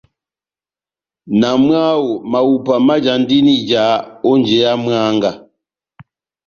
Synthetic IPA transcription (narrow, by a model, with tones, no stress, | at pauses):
na˨mɰa˦wo˨ma˨wu˨pa˨ma˦d͡ʒa˨n˦di˦ni˦d͡ʒa˨˦ɔ˦nd͡ʒe˨˦ja˦mɰa˦ŋɡa˨